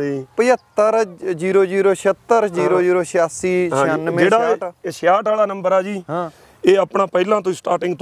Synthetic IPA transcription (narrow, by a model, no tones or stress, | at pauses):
pəjət̪ːəɾd͡ʒiːɾoːd͡ʒiːɾoːʃət̪ːəɾd͡ʒiːɾoːd͡ʒiːɾoːʃʰjaːsiːʃənmd͡ʒeːɽaːaeʃjaːʈaːlaːnəmbəɾaːd͡ʒiːɦã | eːəpɳaːpɛːlãːt̪̬õsʈaːʈɪ̃ŋɡt̪